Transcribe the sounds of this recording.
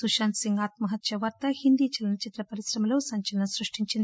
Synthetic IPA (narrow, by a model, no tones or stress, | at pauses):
suʃaːnsiŋɡaːt̪mɐɦɐt̪jɐʋɐɾt̪ɐhind̪iːt͡ʃɐlɐnɐt͡ʃit̪ɾɐpɐɾisɾɐmɐloːsɐɲt͡ʃɐlɐnɐsɾuʂʈiɲt͡ʃind̪i